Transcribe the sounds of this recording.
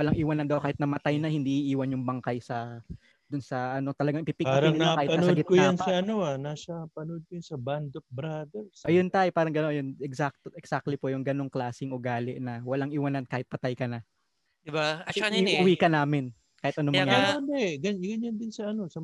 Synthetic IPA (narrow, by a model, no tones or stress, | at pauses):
wɐlaŋʔɪwanɐnd̪ɐwkaːhɪt̪nɐmɐt̪ajnɐhɪnd̪iːʔiʔiːwɐnjʊŋbɐŋkajsɐ | d̪ʊnsɐʔɐno̞t̪ɐlɐɡaŋʔɪpipɪkpaːɾɐŋɪnakaːhɪpɐɐssɐdɡɪt̪̚kʊjɐnsɐɐnoanasɐpɐnod̪̚kʊjʊnsɐband̪of̚bɾad̪ɛɹsʔɐjont̪aːʔɛpaːɾɐŋɡɐnoŋjonɛksak̚t̪ʔɛksak̚t̪lipojʊŋɡɐno̞ŋklaːsɪŋʔʊɡaːlɪʔnɐwɐlaŋʔɪwanɐnkaːhɪt̪̚pɐt̪ajkɐnɐ | d̪ɪbaʔɐkt͡ʃɐnʔʊwikɐnaːmɪn | kaːhɪt̪ʔɐnomŋɡɐonɛɡɐɲɡɐɲand̪ɪnsɐɐnosɐ